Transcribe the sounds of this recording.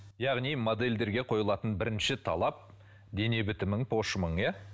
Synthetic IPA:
jɑʁnijmo̞d̪e̞lʲd̪e̞ɾɡʲe̞qʰo̞jəlˠɑt̪ənbɪɾɪnʃɪt̪ʰɑ̰lˠɑp̚ | d̪e̞ne̞bʏt̪ɪməɴpʰo̞ʃməɴjɑ

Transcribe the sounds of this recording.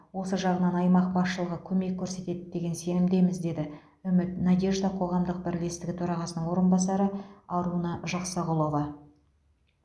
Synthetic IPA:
wo̞səʒɑʁənɑnɑjmɑq̚bɑsʃəlˠəʁəkʲʰɵme̞kʲʰːɵɾse̞t̪e̞d̪ɪd̪e̞ɡʲe̞nse̞nɪmd̪e̞mɪzd̪e̞d̪ɪ | ʏmɪt̪næd̪ʲe̞ʒd̪ɑqʰo̞ʁɑmd̪əq̚bɪɾle̞st̪ɪɡʲɪt̪ʰɵɾɑʁɑsənəɴwo̞ɾənbɑsɑɾəɑɾunɑʒɑqsɑʁʊlˠo̞vɑ

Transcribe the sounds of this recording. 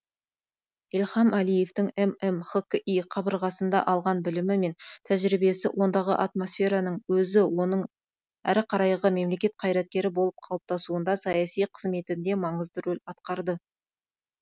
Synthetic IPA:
ilχɑmʔælije̞ft̪ɪŋememχokiqʰɑbəɾʁɑsənd̪ɑ̰ʔɑlˠʁɑnbɪlɪmɪme̞nt̪ʰæʒɾibe̞sɪwʔo̞nd̪ɑʁə̰ʔɑt̪mo̞sfʲe̞ɾɑnəɴwɵzɪwo̞nəɴ | æ̰ɾɪqʰɑɾɑjʁəme̞mle̞kʲe̞t̪̚qʰɑjɾɑt̪̚kʲe̞ɾɪbo̞lˠəp̚qʰɑlˠəp̚t̪ɑsuənd̪ɑsɑjɑsijqʰəzme̞t̪ɪnd̪e̞mɑɴəzd̪əɾɵlɑt̪qɑɾd̪ə

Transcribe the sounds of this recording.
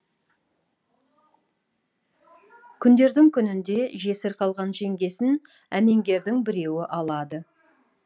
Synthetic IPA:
kʲʰʏnd̪e̞ɾd̪ɪŋkʲʰʏnɪnd̪e̞ʒe̞sɪɾqʰɑlˠʁɑnʒe̞ŋɡʲe̞sɪn | æme̞ŋɡʲe̞ɾd̪ɪŋbɪɾe̞wɪʔɑlˠɑd̪ə

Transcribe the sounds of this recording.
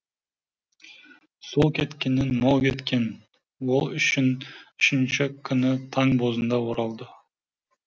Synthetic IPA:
solˠkʲʰe̞t̪kʲe̞nɪnmɑlˠkʲʰe̞t̪kʲe̞n | wolˠʏʃɪnʏʃɪnt͡ʃɪkʲʰʏnɪt̪ʰɑŋbozənd̪ɑoɾɑlˠd̪ə

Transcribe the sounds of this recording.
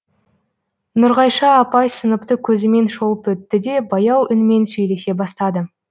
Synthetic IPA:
nʊɾʁɑjʃɑːpɑjsənəpt̪əkʲʰɵzɪme̞nʃo̞lˠəpwɵt̪ːɪd̪e̞bɑjɑwʏnme̞nsɵjle̞se̞bɑst̪ɑd̪ə

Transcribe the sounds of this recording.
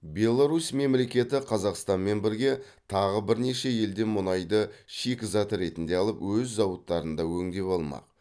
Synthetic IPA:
bʲe̞lˠːaɾusme̞mle̞kʲe̞t̪ɪqʰɑzɑqst̪ɑnme̞nbɪɾɡʲe̞ | t̪ʰɑʁəbɪɾneʃe̞je̞ld̪e̞mʊnɑjd̪əʃekʲɪzɑt̪ɾe̞t̪ɪnd̪e̞ɑlˠəpwɵzːɑwət̪ːɑɾənd̪ɑwɵŋd̪e̞pɑlˠmɑ̰q

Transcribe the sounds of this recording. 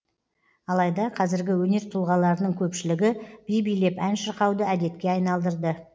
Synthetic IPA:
ɑlˠɑjd̪ɑqʰɑzɪɾɡʲɪwɵne̞ɾt̪ʰʊlˠʁɑlˠɑɾənəɴkʲʰɵpʃɪlɪɡʲɪb̥ijbijle̞pænʃəɾqɑwd̪əæd̪e̞t̪kʲe̞ɑjnɑlˠd̪əɾd̪ə

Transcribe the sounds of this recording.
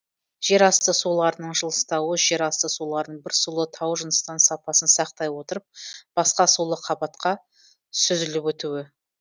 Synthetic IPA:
ʒ̥e̞ɾɑst̪əsulˠɑɾənəɴʒəlˠə̥st̪ɑwəʒe̞ɾɑst̪əsulˠɑɾəɴbɪɾsulˠət̪ʰɑwʒənəst̪ɑnsɑpɑsənsɑq̚t̪ɑjwo̞t̪əɾəp̚b̥ɑsqɑsulˠəqʰɑbɑt̪qɑ | sʏzɪlɪpwɵt̪uwɪ

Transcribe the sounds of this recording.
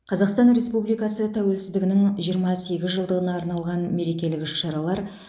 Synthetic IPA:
qʰɑzɑqst̪ɑnɾe̞spublijkɑsət̪ʰæwe̞lsɪzd̪ɪɡʲɪnɪŋʒijəɾmɑse̞ɡʲɪzʒəlˠd̪əʁənɑːɾnɑlˠʁɑnme̞ɾe̞kʲe̞lɪkʲʃɑɾɑlˠɑɾ

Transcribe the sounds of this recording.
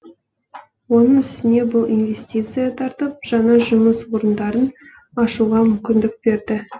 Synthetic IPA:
wo̞nəɴʏst̪ɪne̞bʊlˠinvʲe̞st̪ijt̪sɨjat̪ʰɑɾt̪əp̚ʒ̥ɑɴɑʒʊməswo̞ɾənd̪ɑɾən | ɑʃuʁɑmʏmkʲɪnd̪ɪk̚be̞ɾd̪ɪ

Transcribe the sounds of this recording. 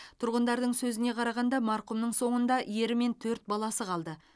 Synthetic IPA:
t̪ʰʊɾʁənd̪ɑɾd̪əɴsɵzɪne̞qʰɑɾɑʁɑnd̪ɑmɑɾqʊmnəɴso̞ɴənd̪ɑje̞ɾɪme̞nt̪ʰɵɾt̪̚bɑlˠɑsəqʰɑlˠd̪ə

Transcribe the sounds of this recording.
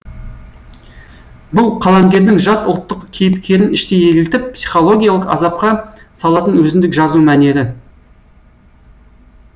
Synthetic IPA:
bʊlˠqʰɑlˠɑmɡʲe̞ɾd̪ɪŋʒɑt̪ʊlˠt̪ːəqkʲʰe̞jɪpkʲʰe̞ɾɪnɪʃt̪e̞jeɡʲɪlt̪ɪp̚pːsi̥χo̞lˠo̞ɡʲijalˠəqɑ̰zɑp̚qɑsɑlˠɑt̪ənwɵzɪnd̪ɪkʒɑzumæne̞ɾɪ

